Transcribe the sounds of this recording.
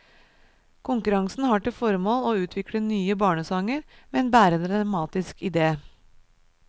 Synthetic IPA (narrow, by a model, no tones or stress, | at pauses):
kʰʊŋkʉɾɑŋsn̩hɑːʈɪlfɔɾmoːloːʉːt̪ʰʋɪkɽənyːəbɑːɳəsɑŋəɾmeːeːnbæːɾəd̪ɾɑmɑːt̪ɪskʰɪd̪eː